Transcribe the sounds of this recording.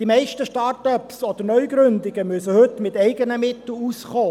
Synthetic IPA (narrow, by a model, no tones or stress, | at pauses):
d̥imɛɪʃtəʃtɑɾtɔpsɔd̥̪əɾnœʏɡɾʏndɪɡəmysəhɵtmɪtɛɪɡənəmɪt̪l̩usχoː